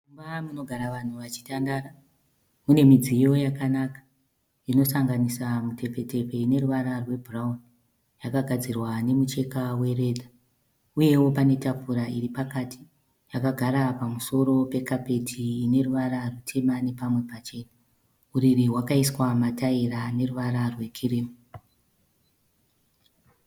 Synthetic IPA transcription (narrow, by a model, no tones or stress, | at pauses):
umbamuno̞ɡʱaɾaʋan̤uʋat͡ʃi̥tandaːra | une̞mid͡zijo̞jakanakḁ | ino̞saŋɡanisamute̞pe̞te̞pe̞ine̞ɾuʋaɾarwe̞bʱurauni | jakaɡʱad͡zirwane̞mut͡ʃe̞kawe̞re̞ːd̪ʱa | uje̞wo̞pane̞tapuɾaiɾipakatʰi̥ | jakaɡʱaɾapamuso̞ɾo̞pe̞kape̞tʰiːne̞ruʋaɾarutʰe̞mane̞pamwe̞pat͡ʃe̞ːna | uriɾiwakaiswamataiɾane̞ruʋaɾarwe̞kʰiriːmu